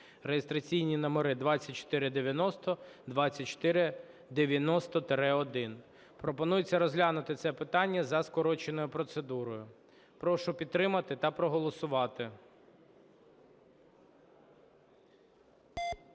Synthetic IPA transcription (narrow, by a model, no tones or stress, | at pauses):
ɾejest̪ɾɐt͡sʲijnʲinɐmɔɾɪd̪ʋɑt͡sʲːɐt̚ʲt͡ʃɔ̥t̪ɪɾɪd̪eʋʲjɐnɔst̪ɔd̪ʋɑt͡sʲːɐt̚ʲt͡ʃːɔ̥t̪ɪɾɪ | d̪eʋʲjɐnɔst̪ɔt̪ɾɛɔd̪ɪn | pɾɔpɔnujɪt͡sʲːɐɾɔzɦlʲanʊt̪ɪt̪sɛpɪt̪ɑnʲːɐzɐskɔɾɔt͡ʃenɔjʊpɾɔt̪sed̪uɾɔjʊ | pɾɔʃʊpʲid̪t̪ːɾɪmɐt̪ɪt̪ɐpɾɔɦɔlˠɔsʊʋɑt̪ɪ